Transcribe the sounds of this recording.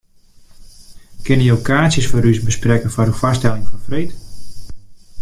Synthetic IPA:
kɪnəjəokaːsjəsfoɾysbəsprɛkəfɔɾufɔstɛlɪŋfɔnfrejt

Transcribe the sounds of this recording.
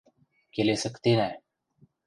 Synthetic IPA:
kelesəkt̪enaɦe

